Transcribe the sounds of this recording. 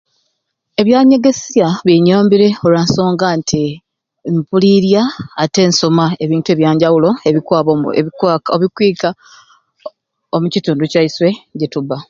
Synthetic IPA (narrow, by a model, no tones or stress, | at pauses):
e̞βjaːɲe̞ɡe̞sijaβjiɲoːmbiɾe̞olwanso̞ːŋɡantʰi | mpuliɾjaːte̞ːnsomaeβiːntuweβjaːɲɟawulo̞eβikwaːβoioβikwiːka | omucituːnducaiswe̞ɟetuba